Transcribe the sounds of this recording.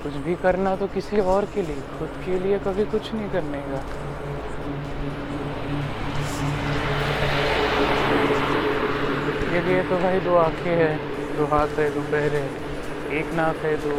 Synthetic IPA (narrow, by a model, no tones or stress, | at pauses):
kʊt͡ʃʰbʱikɐɾnat̪okɪsiɔːɾkeliexʊd̪keliekɐbʱikʊt͡ʃʰnəɦĩkɐɾneːɡaː | xʊd̪keliet̪obʱaːid̪oːaːkʰeɦɛ | d̪oːɦaːt̪ɦɛd̪oːbɛɦɾɦɛ | eːknaːt̪ɦɛd̪oː